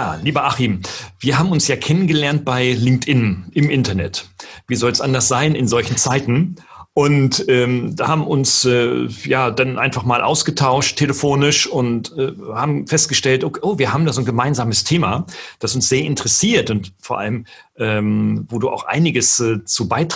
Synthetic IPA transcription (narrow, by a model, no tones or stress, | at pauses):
jaːliːbɐʔaχimviːɐɦaːbm̩ʊnsjaːkʰɛnənɡəlɛɐnt̚b̥aɪlɪŋk̚tʔɪnʔɪmʔɪntɐnɛ̰tviːzɔlsʔandɐsz̥aɪnɪnzɔlçn̩t͡saɪtn̩ | ʔʊntɛːmdahaːbm̩ʔʊnsɛjaːdanʔaɪnfaχmaːlʔa̰ʊsɡ̥ətʰaʊʃtʰːeləfoːnɪʃʊntɛːhaːbm̩fɛst̚ɡ̥əʃtɛltʔokːʔoːviːɐɦaːbm̩daːzoːnɡəmaɪnzaːməstʰeːmad̥asʊnsz̥eːɐʔɪntəʁɛsiːɐtʊntfoːɐʔa̰ləmʔɛːmvoːduːʔa̰ʊxʔa̰ɪnɪɡəsɛːt͡suːbaɪt